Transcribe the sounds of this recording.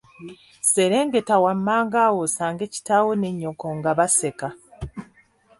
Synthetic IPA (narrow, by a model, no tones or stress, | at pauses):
se̞ɾe̞ːŋɡe̞tawamːaːŋɡaːwosaːŋɡe̞ci̥tawo̞ne̞ɲːo̞koŋɡaβase̞ka